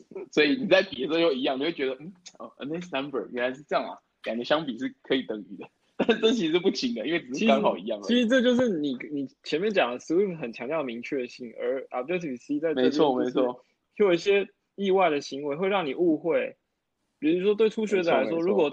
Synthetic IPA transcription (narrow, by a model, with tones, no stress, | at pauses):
sɔ˧˥i˨ni˨˩t͡sa˥˩ɪpi˨ɛ˨˩so˥˧jo˥˩ʊi˧˥jɑ˥˩ŋni˨˩we˥˩t͡ɕɥɛ˧˥d̪ə˧m̩˥˩ə̰˧˩ə̰˧˩ne˥˩ssa˦˥nbə̰˨˩jɥɛ˧˥na˧ɪʂɻ̩˥˧ʈ͡ʂɤ˥˧jɑ˥˨˩ŋa̰˨˩ | ka˨˩d̪ə˧˦ɕjɑ˥ŋpi˨˩ʂɻ̩˥˩kʰɤ˧˥i˨˩t̪ɤ˨˩ŋy̰˨˩d̪ə˦ | t̪a˥˧nʂ̩˥˩ʈ͡ʂɤ˥˩t͡ɕʰi˥˧ʂɻ̩˥˧pu˥˩ɕʰi˧˥ŋd̪ə˧i˥nwe˥˩ɪʈ͡ʂ̩˩˥t͡ɕʰi˥kɑ˥ŋxɑ˨˩ʊḭ˧˥jɑ˥˩ŋdt͡ɕəi˧˥ʂɻ̩˧˥ʈ͡ʂɤ˥˧t͡ɕjo˥˧ʊʂɻ̩˥˩ni˨˩ni˨˩t͡ɕʰjɛ˧˥nmjɛ˥˧˨nt͡ɕjɑ˨˩ŋd̪ə˦si˧˥wi˥˩pxə˨˩nt͡ɕʰɑ˧˥ŋt̪jɑ˥˩əmi˧˥ŋt͡ɕʰɥɛ˥ɕi˥˩ŋə̰˧˥a̰˧˥˩o˥t̪ʰi˨pi˨˩si˥t͡sa˥˧ɪme˧˥˧ɪ˩t͡sʰwɔ˥˩me˧˥ɪt͡sʰwɔ˥˩ | o˥˩jo˨˩i˥˩ɕjɛ˥ | i˥˧wa˥˩ɪd̪ə˩ɕi˧˥ŋwe˧˥ɪxwe˥˧ɪɻɑ˥˩ŋni˨˩u˥˧xwe˥˩ɪ | pi˨˩u˥ʂwɔ˥t̪we˥˩ɪʈ͡ʂʰu˥ɕɥɛ˧˥ə˨˩la˧˥ɪʂwɔ˥ɻu˧˥kwɔ˨˩